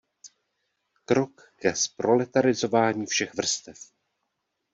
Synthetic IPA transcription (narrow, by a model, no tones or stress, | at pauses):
kɾo̞kːɛspɾo̞lɛt̪aɾɪzo̞vaːɲiːfʃɛxvr̩st̪ɛf